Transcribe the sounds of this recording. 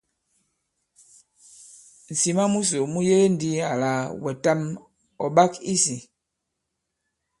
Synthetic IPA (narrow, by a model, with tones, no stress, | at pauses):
n̩˨si˨ma˦mu˦s̬o˨mu˦je˦e˦n˨di˦a˨la˨wɛ˨ta˦m | ɔ̰˨ɓa˦ki˦si˨